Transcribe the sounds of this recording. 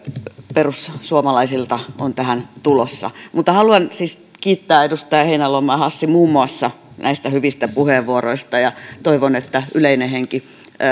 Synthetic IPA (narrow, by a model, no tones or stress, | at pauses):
perussuomɑlɑisilt̪ɑont̪æhænt̪ulosːɑ̰mut̪ːɑhɑluɑnsiːs | kiːt̪ːæːedust̪ɑjheinælomːɑːhɑsːimuːmːuɑsːɑ | nʔæist̪æhyʋist̪æpuheːʋʋuoroist̪ɑjɑt̪oiʋonet̪ːæyleineheŋki